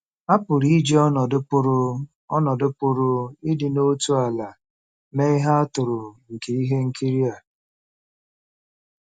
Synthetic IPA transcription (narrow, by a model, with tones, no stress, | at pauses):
a˦pʊ˨ɾi˦d͡ʒe˦ɔ˦nɔ˨dʊ˦pʊ˦ɾʊ˦ | ɔ˦nɔ˨dʊ˦pʊ˦ɾʊ˦ɪ˦dɪ˨no˦tu˦a˨la˨ | me˦ɪ˦ɦa˦a˦tʊ˨ɾʊ˨ŋ̩˨ke˨i˦ɦe˦ŋ̩˦ki˦ɾi˦a˨